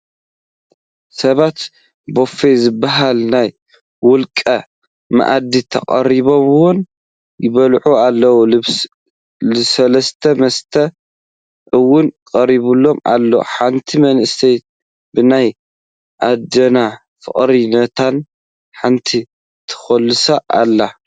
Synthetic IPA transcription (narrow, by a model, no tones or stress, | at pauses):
sɐβat̪ | bo̞fezɨbːaɦalnaj | wʊlkʼɐ | ma̰ʔad̪it̪ʰɐ̰kʼɐ̰ɾiβo̞mɨwon | jɪβɐlʕualːɐwu | ɨsɐlɐst̪ʰɐmɐst̪ʰɐ | ʔɨwːʊnkʼɐɾiβulːo̞ma̰lːoħant̪ʰimɐnʔɨst̪ʰejt̪ | bɨnaj | ʔad̪ɐna | fɨ̰χʼɾinɐt̪ʰan | ħant̪ʰi | t̪ʰɨ̥xɐlːɨsaʔa̰lːa